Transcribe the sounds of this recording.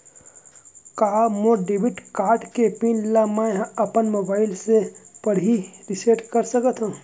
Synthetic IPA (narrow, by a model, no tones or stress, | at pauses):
kaːmõɖebɪʈkaːɾɖkepiːnlamãɦɐpənmoːbaːɪlsepəɽiɾɪseʈkəɾsəkət̪ɦõː